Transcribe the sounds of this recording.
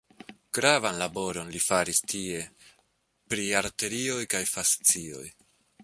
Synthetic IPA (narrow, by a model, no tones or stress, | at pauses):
ɡ̥ɾavanlabo̞ɾo̞nlifaɾistʰie̞ | pɾiaɾte̞ɾiojkajfast͡sio̞̰j